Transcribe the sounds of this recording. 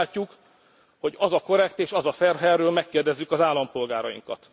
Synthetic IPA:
lcːuk | ho̞ɟɒzɒko̞ɾɛkt̪eːʃɒzɒfɛrɦɛrːøːlmɛkːeːrd̪ɛzːykɒzaːlːɒmpo̞lɡaːɾɒjḭŋkɒ̰t̪

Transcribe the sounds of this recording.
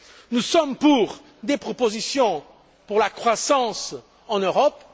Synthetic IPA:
nusɔmpuʁ | d̪epχɔpozisjɔ̃ | puʁlakχwasɑ̃s | ɑ̃nøʁɔp

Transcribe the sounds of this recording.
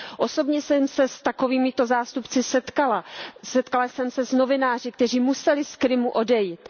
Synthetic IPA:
ʔo̞so̞bɲɛsɛmsɛst̪akoviːmɪt̪o̞zaːst̪upt͡sɪsɛt̪kalasɛt̪kalasɛmsɛzno̞vɪnaːrɪk̚t̪ɛr̝iːmusɛlɪskɾɪmuʔo̞dɛjiːt̪

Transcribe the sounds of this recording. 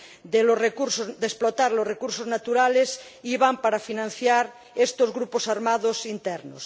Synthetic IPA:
d̪elorekuɾsod̪esplot̪aɾlorekuɾsoznat̪uɾales | iβampaɾafinãn̟θjaɾ | est̪ozɣɾuposaɾmaðosint̪ɛɾnos

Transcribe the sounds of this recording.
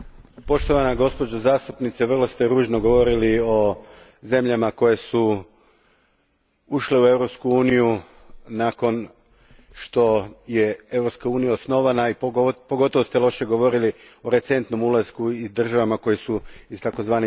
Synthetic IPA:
po̞ʃt̪o̞ʋanaɡo̞spo̞d͡ʑozaːst̪upnit̪seʋr̩lˠo̞st̪eɾuːʒno̞ɡo̞ʋo̞ɾilio̞ | ze̞mʎamako̞je̞su | uʃle̞ue̞ʋɾo̞pskuuːniju | nako̞n | ʃt̪o̞je̞e̞ʋvɾopskauːnijaosno̞ʋanaipoɡo̞t̪o̞ʋost̪elˠo̞ʃeɡo̞ʋo̞ɾilioɾe̞t̪se̞nt̪no̞mulazkuid̪r̩ʒaʋamako̞jesuist̪ako̞zʋaːne

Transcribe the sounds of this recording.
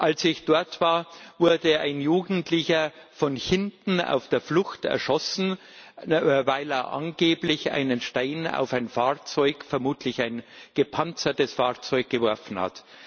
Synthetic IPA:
ʔalsɪçd̥ɔɐtv̥aːɐvʊɐdəa̰ɪnjuːɡn̩tlɪçɐfɔnhɪntn̩a̰ʊfd̥eːɐflʊxtɛ̰ɐʃɔsn̩ | vaɪleːɐʔa̰nɡeːblɪça̰ɪnənʃtaɪna̰ʊfaɪnfaːɐt͡sɔʏkfɛɐmuːtʰlɪçaɪnɡ̥əpʰant͡sɐtəsfaːɐt͡sɔʏɡ̚ɡ̥əvɔɐfn̩ha̰t

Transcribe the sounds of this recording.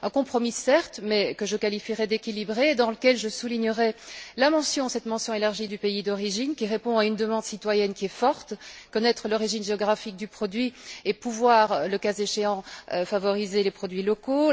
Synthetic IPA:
ɛ̃kɔ̃pχɔmisɛʁt̪mɛkəʒəkalifiʁɛd̪ekʲilibʁed̪ɑ̃ləkʲɛlʒəsuliɲəʁɛlamɑ̃sjɔ̃sɛt̪mɑ̃sjɔ̃elaʁʒid̪ypeid̪ɔʁiʒinkʲiʁepɔ̃aynd̪əmɑ̃d̪sit̪wajɛnkʲiɛfɔʁt̪kɔnɛt̪χəlɔʁiʒinʒeɔɡʁafik̚d̪ypχɔd̪ɥiepuvwaːʁləkazeʃeɑ̃øfavɔʁizelepχɔd̪ɥilɔko

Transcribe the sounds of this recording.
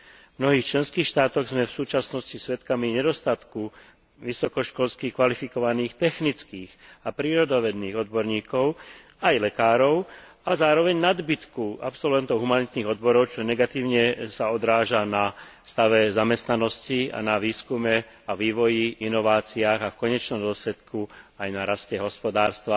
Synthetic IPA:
vmnɔɦiːxt͡ʃlɛnskiːxʃt̪aːt̪ɔɣzmɛfsuːt͡ʃasnɔscisʋɛt̪kamiɲɛd̪ɔst̪at̪ku | ʋisɔkɔʃkɔlskixkʋalifikɔʋaniːxt̪ɛxnit͡skiːɣapɾiːɾɔd̪ɔʋɛd̪niːɣɔd̪̚bɔɾɲiːkɔʊ | ajlɛkaːɾɔʊ | azaːɾɔʋɛɲnad̪bit̪kua̰psɔlʋɛnt̪ɔʊɦumanit̪niːɣɔd̪bɔɾɔʊt͡ʃɔɲɛɡat̪iːʊɲɛsaɔd̪ɾaːʒanast̪aʋɛzamɛst̪nanɔscia̰naʋiːskumɛ | aʋiːʋɔjiinɔʋaːt͡siaːɣafkɔɲɛt͡ʃnɔmd̪ʊɔslɛt̪kuajnaɾascɛɦɔspɔd̪aːɾst̪ʋa

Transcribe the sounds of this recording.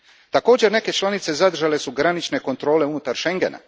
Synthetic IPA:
t̪ako̞ːd͡ʑe̞ɾne̞ke̞t͡ʃlˠanit̪se̞zad̪ɾ̩ʒale̞suɡɾanit͡ʃne̞ko̞nt̪ɾo̞ːle̞unut̪aɾʃe̞ŋɡe̞̰na̰

